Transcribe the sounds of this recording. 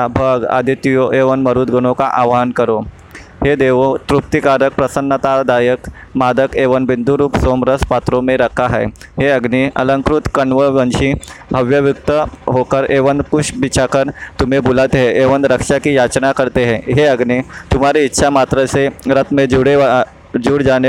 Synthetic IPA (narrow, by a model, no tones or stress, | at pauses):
abʱəɡa̰d̪ʱit̪ijoʔeʋənməɾuːd̪̚ɡʱəɽ̃okaʔaʋɦankəɾo | ɦed̪eʋot̪ɾup̚t̪ikaɾək̚pɾəsənːət̪ad̪ajək | mad̪əkeʋənbind̪ʱuɾuːpsomɾəspat̪ɾomeɾəkʰːaɦə̰jɦeəɡniʔə̰ləŋkɾut̪kəɳʋəʋənɕiːbʱəʋjəʋjuk̚t̪əɦokəɾeʋənd̪kuʂbit͡ɕʰakəɾt̪umebulat̪eɦeʔeʋənd̪ɾəkʂakiːjat͡ɕnakəɾt̪eɦeɦeəɡnit̪um̤aɾiːtːɕʰamat̪ɾəseɾət̪med͡ʑuɽe | d͡ʑuːɽd͡ʒane